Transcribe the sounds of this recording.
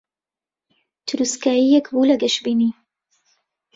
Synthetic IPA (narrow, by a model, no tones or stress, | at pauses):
t̪ʰʊɾuskaːjijɛkbulɐɡɐʃbiːni